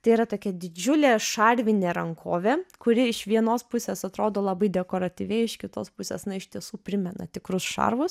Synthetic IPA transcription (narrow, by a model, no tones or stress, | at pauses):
t̪ɐɪiːɾɐt̪oːkʲɛd̪ʲɪd͡ʒʲʊlʲeːʃɐɾʲʋʲɪnʲeːɾɐŋkʰoːʋʲeːkʊɾʲɪɪʃʋʲiɛnoːspʊsʲeːsɐt̪ɾoːd̪oːlˠɑbɐɪd̪ʲɛkoːɾɐt̪ʲiːʋʲɛɪɪʃkʲɪt̪oːspʊsʲḛːsnɐɪʃt̪ʲiɛsuːpʲɾʲɪmʲɛnɐ̰t̪ʲɪkɾʊsʃɐ̰ɾʋʊs